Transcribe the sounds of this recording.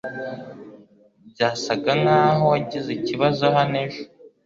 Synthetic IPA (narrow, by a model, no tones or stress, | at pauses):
b̚ɟaːsaɡanaːho̞waɟizeciβazo̞ɦaneʒo